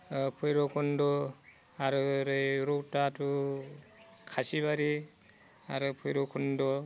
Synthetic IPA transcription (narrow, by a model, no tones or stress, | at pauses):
pʰɔjɾɔkʰɔndɔ | aɾɯɾɯjɾɔwtatʰu | kʰasiβaɾi | aɾɯpʰɔjɾɔkʰundɔ